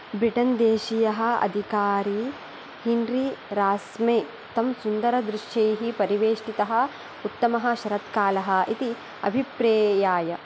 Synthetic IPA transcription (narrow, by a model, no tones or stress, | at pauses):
bɾiʈɐnd̪eːʃijɐɦɐ̆ɐ̰d̪ʱikaːɾi | hinɾiɾaːsmeː | t̪ɐmsund̪ɐɾɐd̪ɾɪʂjɐjɦipɐɾiʋeːʂʈit̪ɐɦɐ̆ | ut̪ːɐmɐɦɐ̆ʃɐɾɐt̪kaːlɐɦɐ̆ʔit̪i | ɐ̰bʱipɾɐːjaːjɐ